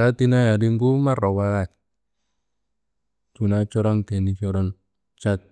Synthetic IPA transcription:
a˦ti˦na˦ja˨ɾi˦ŋɡu˦ma˦ɾɔ˨wa˦ɣa˦˨ | tu˨na˦t͡ʃɔ˦ɾɔ˦ŋtɛ˨ni˦t͡ʃɔ˦ɾɔ˦n | t͡ʃa˦t̚

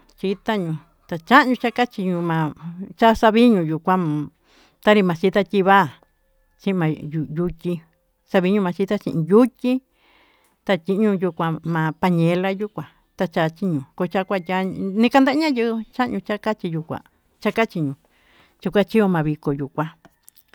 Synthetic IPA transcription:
t͡ʃi˦t̪a˦ɲũ˧ | t̪a˧t͡ʃa˦ʔɲũ˧t͡ʃa˦ka˦t͡ʃi˧ɲũ˧mã˨˧t͡ʃa˦sa˧βi˦ɲũ˧˨ju˨kʷã˦m̃˨ | t̪a˦ɾi˧mã˨t͡ʃi˦t̪a˦t̪ʲi˧βa˦˨ | t͡ʃĩ˦ʔmã˧jju˧tʲi˧ | sa˧βi˧˦ɲũ˧mã˧t͡ʃi˦t̪a˦t͡ʃḭ̃˧ʔĩ˧ju˦tʲi˦ | t̪a˧t̪ʲi˧˦ɲũ˧ju˧kʷã˧mã˨pa˧ɲẽ˧˦la˦ju˦kʷã˨ | t̪a˧t͡ʃa˧t͡ʃi˦ɲũ˨ko˧t͡ʃa˦kʷa˧ja˧˦nĩ˧ka˧nd̪a˦ɲã˦jɨ˦˧t͡ʃa˦ʔɲũ˧t͡ʃa˦ka˦t͡ʃi˧ju˧kʷã̰˨ | t͡ʃa˦ka˦t͡ʃi˧ɲũ˧ | t͡ʃu˧kʷa˦t͡ʃi˦o˧mã˨˧βi˧ko˨ju˨kʷã˧

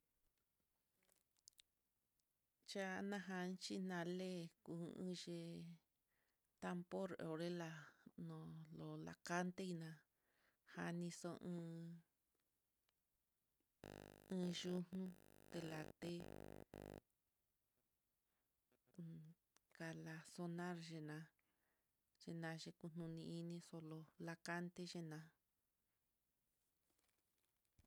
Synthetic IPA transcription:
t͡ʃa˦˧nã˦ɦa˧nt͡ʃi˦nã˧le˦ku˧ʔɨ̰̃˦ʒe˧ | t̪a˦mpo˦ɾo̰˨ɾe˦la˧nõ˧˨lo˨la̰˨ka˦nt̪e˦i˧nã˧ | ha˧nĩ˧so˧ʔɨ̃ː˧˦ | ɨ̃ː˧ʒu˦hũ˦t̪e˧la̰˨t̪e˦˧ | ka˧la˧so˧nã˦ɾʒe˧nã˧ | ʒ̥e˧nã˧ʒe˧ku˧n̥nũ˧nĩ˧i˦nĩ˧so˧lo˧la˧ka˦nt̪e˧ʒe˦nã˧

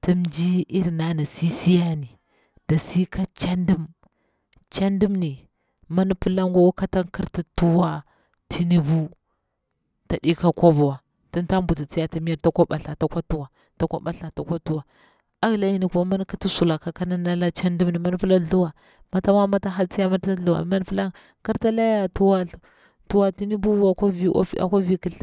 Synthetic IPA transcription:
ti˦md͡ʒi˦i˦ɾi˨na˦na˨si˦si˦ja˦ni˨ | d̥a˨si˦ka˦t͡ʃa˦ndi˦m | t͡ʃa˦ndi˦mni˨ | ma˦ni˦pu˦la˦ŋɡo˦wa˦ka˦ta˦ŋki˦ɾti˦tu˦wa˦ | tʰi˦ni˨vu˦ | ta˨di˦ka˦ko˦bu˨wa˨ | ti˦n˦ta˦mbu˨ti˨t͡si˦ja˦ta˨mi˦ja˦ɾta˦kʷa˦ɓa˨ɬa˨ta˦kʷa˦tu˦wa˨ | ta˦kʷa̰˦ɓa˨ɬa˨ta˨kʷa˦tu˦wa˨ | a˦ɣla˦ji˦ni˨ku˦ma˦ma˦n˦ka˦ti˦su˨la˨ka˦ka˦na˦na˦la˦t͡ʃa˦ndi˦mni˨ma˦n˦pi˦la˦ɬu˦wa˨ | ma˨ta˦ma˦ma˦ta˦ɦa˦t͡si˦ja˦ma˦ta˦ɬu˦wa̰˨ma˦n˦pla˦ | ki˦ɾta˦la˦ja˦tu˦wa˦ɬ | tu˦wa˨ti˦ni˦bu˦a˨ka˦ḭ˦a̰˨kʷa˦vi˦ki˦ɬ

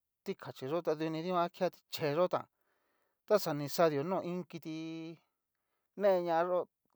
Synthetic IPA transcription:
t̪i˦kʰa˨t͡ʃi˨ʐo˦t̪a˧ðu˧nĩ˧ði˦ã˧˦kʰi˦a˦˧t̪i̥˧t͡ʃe˨˧ʐo˦t̪ã̰˨ | t̪a˦sa˧˨nĩ˧sa˧ðjo˨nõː˦˧˨ĩ˦ŋki˧t̪i˧ | nẽ˦e˧ɲã˧a˧˦ʐo˦

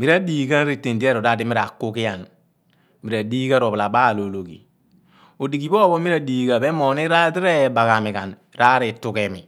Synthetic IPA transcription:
mi˨ɾa˦di˦˨ka˦nɾi˨tːe˨ndi˦e˦ɾo˨da˦˨di˦mi˦ɾa˨kːu˦ki˦ja˨n | mi˨ɾa˨diː˦ɡa˦ɾo˨bla˨ba˦˨lo˨lo˨kḭ˨ | o˨di˨ki˨bo˦bo˦mi˦ɾa˨diː˨ɡa˨be˦mo˨ni˦ɾa˦ti˦ɾe˦˨ba˨ka˨mi˨ka˨n | ɾa˦ɾi˨tu˨ke˨mi˨

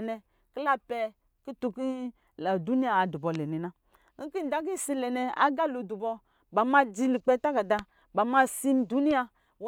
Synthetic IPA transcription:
nɛ˧ | ki˦la˦pɛ˧ | ki˦tu˧ki˦ | la˨du˨˦ni˦a˨a˨du˨bɔ˨lɛ˨ni˨na˦ | ŋ̩˦ki˦n̩˨da˨˦ɡi˦˨si˧lɛ˨nɛ˨a̰˦ɡa˦˨lo˨du˨bɔ˧ | ba˨ma˧d͡ʒi˧li˨k͡pɛ˧˦ta˦ɡa˨da˧ | ba˨ma˦si˦n˦du˨˦ni˦a˧ | w

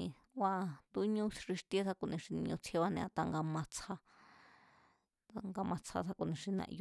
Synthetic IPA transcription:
ĩ˧ | wa˧t̪u˧˦ɲũ˦˧ʂi˧ʂt̪e˦sa˧ku˨nĩ˧ʂi˧nĩ˧ɲũ˧t͡sʰje˦βa˧nẽ˧a˧t̪a˧ŋɡa˧mã˧t͡sʰa˧ | a˧ŋɡa˧mã˧t͡sʰa̰˧sa˧ku˧˨nĩ˧ʂi˧nã̰˧ʔj

